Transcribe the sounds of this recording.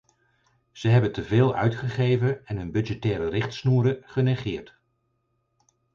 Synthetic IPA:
z̥əɦɛbəntəveːlˠœ̰ɥtχəχejvənɛnɦɵnbɵdd͡ʒɛtɛːɾərɪχtsnuːɾəχənɛχɪːɹt

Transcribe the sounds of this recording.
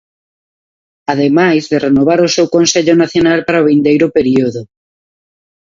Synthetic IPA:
aðemajzðerenoβ̞aɾʊsewkonseʎonaθjonalpaɾaoβind̪ejɾʊpeɾioðʊ

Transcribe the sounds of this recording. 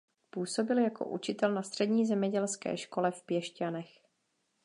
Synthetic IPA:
puːso̞bɪljako̞̰ʔut͡ʃɪt̪ɛlnast̪r̝̥ɛdɲiːzɛmɲɛɟɛlskɛ̰ːʃko̞lɛfpjɛʃcanɛx

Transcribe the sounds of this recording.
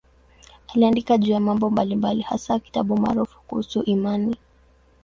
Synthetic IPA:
aliandikaʄuːjamambɔmbalimbaliha̰saki̥taɓuma̰ːɾufu̥kuhusuʔimani

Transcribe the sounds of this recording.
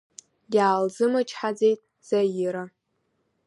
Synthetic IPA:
daːlzɨmat͡ʃʰʼħad͡ze̞jtʼ | z̥ajɪɾa

